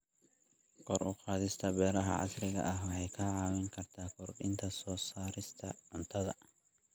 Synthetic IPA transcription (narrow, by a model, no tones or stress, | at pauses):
kʰɔrʊqɑːðɪst̪ʰɐbɛːɾɐɦɐ̰ʕɑ̰srɪɣɐ̰ʔɐɦwɑħɑjkʰaːʕɑːwɪŋkʰɐrt̪ʰaːkʰɔrɗɪnt̪ʰɐsɔːsaːɾɪst̪ʰɐ̰ʕʊnt̪ʰɐðɐ